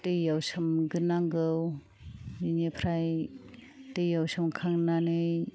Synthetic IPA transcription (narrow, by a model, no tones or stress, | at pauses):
tɯjjawsɯmɡɯnaŋɡɯw | jinepʰɾaj | tɯjjawsɯmkʰaŋnanɯj